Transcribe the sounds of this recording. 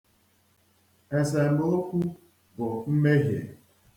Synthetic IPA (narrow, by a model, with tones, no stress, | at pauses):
e˨s̬e˨m̩˨bʊ˦lo˦kʷu˦ | bʊ˨m̩˦me˦ɦjḛ˨